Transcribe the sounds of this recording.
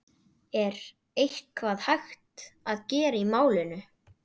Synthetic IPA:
ɛɾ | ejhkʰvaðhajxt̪aðcɛːɾaimaːwlɪnʏ

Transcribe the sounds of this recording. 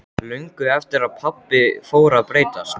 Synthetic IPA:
lʏŋkʏɛft̪ɪɾaðpʰapːɪfoːwɾaðpɾeːjt̪as

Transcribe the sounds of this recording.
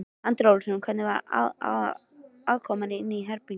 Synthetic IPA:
ant̪ɾawlsʏnkʰvɛt̪nɪvaɾa̰a̰ | aðkʰɔmanːɪɪnːiɦɛɾpi

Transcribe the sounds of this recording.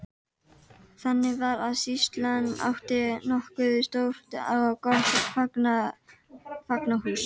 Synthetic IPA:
θanːɪvaɾaðsist̪lanːa̰wht̪ɪnɔhkʏðɪst̪owɾ̥t̪a̰wawkafakna | faknahuːs

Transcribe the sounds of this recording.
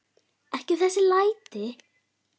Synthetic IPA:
ɛhcɪθɛsːɪlaːjt̪ɪ

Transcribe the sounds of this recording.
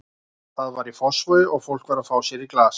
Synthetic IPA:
θaðvaɾifɔsvʏɔɣfowl̥kvaɾaðfaːwsjɛɾiklaːs

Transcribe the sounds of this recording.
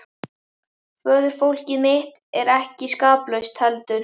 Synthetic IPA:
fœːðʏɾ̥fowl̥cɪðmɪht̪ɛɾɛhcɪskaːplœɥst̪ʰhɛlt̪ʏn

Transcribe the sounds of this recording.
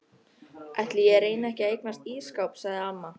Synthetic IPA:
ʔɛjht̪lɪjɛɾeːjnaɛhcɪeːjknast̪iːskawpsaɣðɪamːa

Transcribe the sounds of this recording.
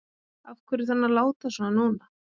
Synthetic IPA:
afkʰvɛɾɪθanːalaːwt̪asɔnanuːna

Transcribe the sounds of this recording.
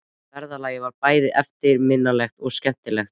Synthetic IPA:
vɛɾðalaːjɪvaɾpaːjðɪʔɛft̪ɪɾmɪnːalɛxt̪ɔɣscɛm̥t̪ɪlɛxt̪

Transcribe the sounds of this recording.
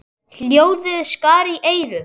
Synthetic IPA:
l̥joːwðɪðskaːɾiʔeːjɾʏ

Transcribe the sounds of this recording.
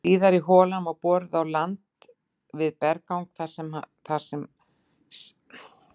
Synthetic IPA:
iːðaɾiɦɔːlamawpɔːɾɪðawlant̪ | vɪðpɛɾkawŋkθaɾ̥sɛma̰ | θaɾ̥sɛm | s

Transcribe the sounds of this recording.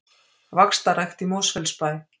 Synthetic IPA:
vakst̪aɾajxt̪imowsfɛlspaj

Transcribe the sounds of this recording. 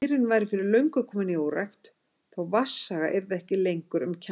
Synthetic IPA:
ɾɪnvaːjɾɪfɪɾɪɾlœɥŋkʏkʰɔmʏniowɾajxt̪ | θawvasːaɣa̰ʔɛɾðɪɛhcɪlejŋkʏɾʏmcʰa

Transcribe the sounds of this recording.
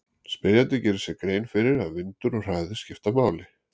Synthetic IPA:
spɪɾjant̪ɪcɛːɾɪsɛkɾeːjnfɪɾɪɾaðvɪnt̪ʏɾɔr̥aːðɪ̥scɪft̪amaːwlɪ

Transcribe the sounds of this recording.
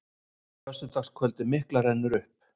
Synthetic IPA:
kʰvɛst̪ʏt̪axskʰvœlt̪ɪmɪhklaɾɛnːʏɾʏhp̚

